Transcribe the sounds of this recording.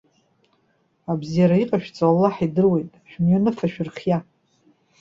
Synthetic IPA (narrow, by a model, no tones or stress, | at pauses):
abzijaɾaiqʼaʃᶣt͡sʼawalːaħidɨrwe̞jtʼħᶣmɥanɨfaʃᶣɪrχʲja